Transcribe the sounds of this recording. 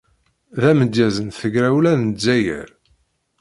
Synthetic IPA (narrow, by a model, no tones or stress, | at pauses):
ðæməd̪jæzənθəɡɾæwlænəd͡zːæjə̰ɾ